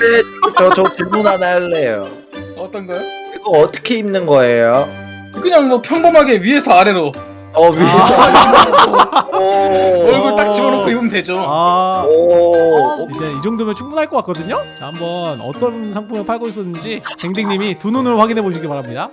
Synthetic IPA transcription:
kdet͡ɕʌt͡ɕʌt͡ɕuŋmunɦanaɭːejo | ʌt͈ʌnɡʌoiɡʌʌt͈ʌ̥kʰe̞imnɯnɡʌejo | kɯkɯɲaŋmʌpʰjʌŋbomɦaɡe̞ɥie̞sʰʌaɾe̞ɾo | ʌɥiei | ʌɭɡuɭ͈akt͡ɕiɡʌɾokʰoibɯmdwe̞d͡ʑoa | id͡ʑe̞id͡ʑoŋdomet͡ɕʰuŋmunɦaɭk͈ʌk͈ak͈ʌdɯɲot͡ɕehambʌnʌ̰t͈ʌnsʰaŋpʰumɯpʰaɭɡois͈ʌnɯnd͡ʑikeŋdiŋɲimitununɯɾoɸwaɡinɦe̞boɕʰiɡipaɾɦamɲida

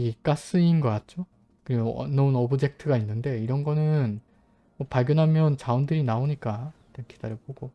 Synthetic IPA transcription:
ik͈as͈ɯinɡʌk͈at̚t͡ɕ͈o | kɯɾiɡonʌunʌbɯd͡ʑe̞k̚tʰɯɡainːɯnde̞iɾʌnɡʌnɯn | mʌpaɭɡjʌnɦamjʌnt͡ɕaundɯɾinaoɲik͈atekʰi̥daɾɯboɡo

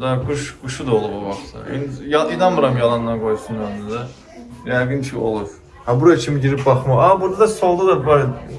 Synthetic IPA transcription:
d̪aɡuʃɡuʃud̪aolˠubabaχsa̰ḭnjainanmɯɾamjalˠanɯnakʰojsunønd̪yd̪a | jajɡɯnt͡ʃʰio̰lˠuɾ | habuɾait͡ʃʰimiɟiɾip̚baxmaabuɾd̪ad̪asolˠd̪ud̪abaɾ

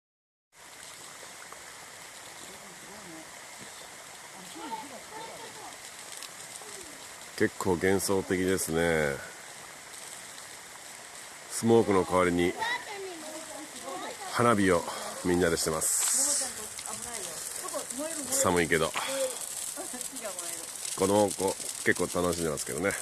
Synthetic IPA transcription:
ke̞kʰːo̞ːɡẽ̞ɰ̃so̞ːt̪e̞kʲid̪e̞sɨne̞ | sɨmo̞ːkɯ̟no̞kaβaɾʲiɲ̟i | hanabʲiomʲiɲnːad̪eɕi̥t̪e̞masɨ̥ | samɯ̟ike̞d̪o̰ | konokoke̞kːoːt̪ano̞ɕĩnd̪emaske̞̰d̪o̞ne̞

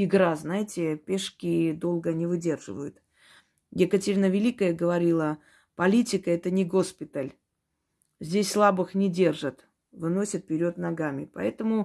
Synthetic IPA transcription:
ɪɡɾaznajɪtʲɪpʲeʂkʲɪd̪o̞lˠɡənʲɪvɨdʲe̞rʐɨvəjʊt̪ | jɪkətʲɪɾʲnəvʲɪlʲikəjəɡəvɐɾʲilˠə | pɐlʲitʲɪkəɛt̪ənʲɪɡo̞spʲɪt̪əlʲ | zʲdʲesʲslˠabɨxnʲɪdʲe̞rʐɨt̪ | vɨno̞sʲət̪̚pʲɪɾʲo̞t̪nɐɡamʲɪpɐ̰ɛt̪əmʊ

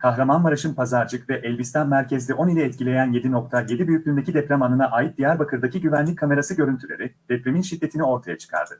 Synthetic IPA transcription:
kʰaxɾamanmaɾaʃɯnpʰazaɾd͡ʒɯkvɛʔɛlʲbist̪ʰanmæɾcʰɛzlʲɛʔo̞nilʲɛɛt̪cʰilʲe̞jænje̞d̪ino̞k̚t̪ʰaje̞d̪ibyjycʲlʲynd̪ecid̪ɛpɾʲamanɯnaʔaːjit̪̚d̪ijæɾbakʰɯɾd̪aciɟyvænlʲic̚kʰːame̞ɾasɯɟø̞ɾynt̪ʰylʲḛɾid̪̥ɛpɾʲeminʃid̪ːe̞t̪ʰinio̞ɾt̪ʰajat͡ʃʰɯ̥kʰa̰ɾd̪ɯ

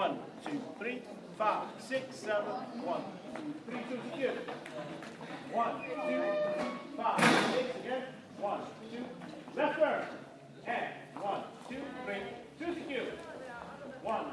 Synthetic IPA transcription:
ʌ̃n | tʰʉθɹi | faɪv̥sɪksɛvə̃nwʌ̃n | θɹitʰʉsikjʉ | wʌ̃ntʰʉθɹifaɪv̥sɪksɨɡɛ̃n | wʌ̃ntʰʉlɛsə˞ | ɨ̃nwʌ̃ntʰʉθɹitʰʉsɨkjʉ | wʌ̃n

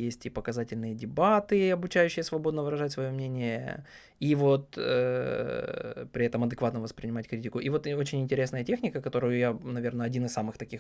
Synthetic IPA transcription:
jesʲtʲipəkɐzatʲɪlʲnɨjədʲɪbat̪ɨɐbʊt͡ɕæjʉɕːɪjəsvɐbo̞d̪nəvɨɾɐʐatʲsvɐjo̞mnʲenʲɪjə̰ | ivo̞t̪ə | pɾʲɪɛt̪əmɐd̪ɨkvat̪nəvəspɾʲɪnʲɪmatʲkɾʲitʲɪkʊʔivo̞t̪o̞t͡ɕɪnʲɪnʲtʲɪɾʲesnəjətʲe̞xnʲɪkəkɐt̪o̞ɾʊjʊjanɐvʲe̞rnəɐdʲinɨssamɨxt̪ɐkʲix

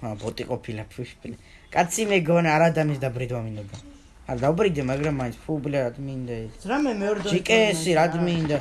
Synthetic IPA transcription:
abɔt̪ʼiqʼɔpʰilapʰuʃpʰʼlɛ | kʼat̪sʰimɛɡɔnɛaɾad̪amis̬d̪abɾid̪wamind̪ɔd̪a | aɾd̪aubɾid̪ɛmaɡɾamːainsʰpʰublɛɾad̪mind̪aiɾamɛmɛɔɾd̪d͡ʒikʼɛːsiɾat̪ʼmind̪a

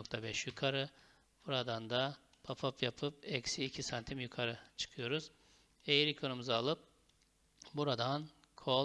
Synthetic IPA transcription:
ok̚t̪ʰabɛʃjykʰaɾɯ | buɾad̪and̪a | pʰapʰapjapʰɯpɛcsiːcʰisant̪ʰimjukʰaɾɯt͡ʃʰɯ̥kʰɯjo̞ɾuz̥ | ejiɾikʰonumuzaːlˠɯp̚ | buɾad̪an | kʰo

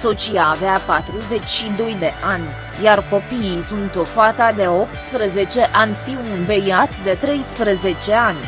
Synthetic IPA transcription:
so̞t͡ʃijaːveapat̪ɾuze̞t͡ʃʲʃid̪o̞jd̪e̞ʔʔanʲ | jarko̞piisunt̪o̞fat̪ad̪e̞o̞p̚t̪spɾəze̞t͡ʃe̞ʔanʲsiwunbejat̪d̪e̞t̪ɾe̞jspɾəze̞t͡ʃe̞anʲ

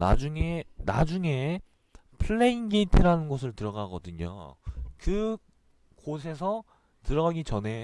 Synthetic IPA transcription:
na̰d͡ʑuŋe̞na̰d͡ʑuŋe̞ | pʰɯɭːe̞inɡeitʰiɾanɯnɡosʰɯɭtɯɾʌɡaɡʌdɯɲo̰kɯ | kos̬ʰe̞s̬ʰʌ | tɯɾʌɣaɡit͡ɕʌnɦe̞

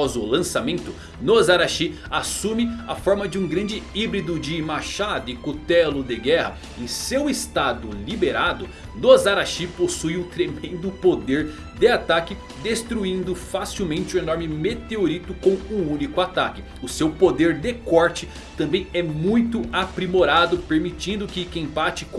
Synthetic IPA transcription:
ɔzʊlɐ̃samẽnt̪ʊ | nozaɾaʃi | asũmɪafɔɾmɐd͡ʒɪũɡɾɐ̃nd͡ʒɪibɾid̪ʊd͡ʒɪmaʃad̪ʊɪkot̪ɛlʊd̪ɪɡɛhɐ̰ | ẽj̃sewɪst̪ad̪ʊlibeɾad̪ʊ | nozaɾaʃiposujũt̪ɾemẽnd̪ʊpod̪eɾ | d̪eɪat̪akɪ | d̪est̪ɾuĩnd̪ʊfasiwmẽnt͡ʃɪʊ̃enɔɾmɪmet̪eoɾit̪ʊkõw̃ʊũnikʊat̪akɪ | ʊsewpod̪eɾd̪ekɔɾt͡ʃɪ | t̪ɐ̃mbẽj̃ɛmũj̃t̪ʊapɾimoɾad̪ʊpeɾmit͡ʃĩnd̪ʊkɪkẽj̃bat͡ʃɪk

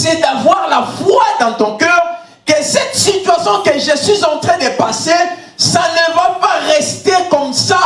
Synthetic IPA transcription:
sɛd̪avwaʁlafwad̪ɑ̃t̪ɔ̃kœɛːʁ | kəsɛt̪sit̪ɥasjɔ̃kəʒəswizɑ̃t̪χɛ̃d̪əpase | sanɛvapaʁɛst̪ekɔmsa

